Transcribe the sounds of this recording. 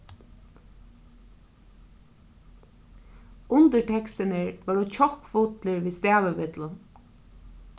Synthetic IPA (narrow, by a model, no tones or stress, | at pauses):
ʊnt̪əɹʈʰɛkst̪ɪnɪɹʋaːɹut͡ʃʰɔkfʊt̪lɪɹʋiːst̪æːʋɪʋɪt̪lʊn